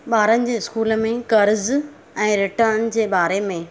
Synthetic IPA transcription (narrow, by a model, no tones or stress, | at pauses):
ɓaːɾənɪ̆d͡ʑeːɪskuːləmẽkɐɾz | ɛ̃ːɾɪʈənd͡ʑeːɓaːɾemẽ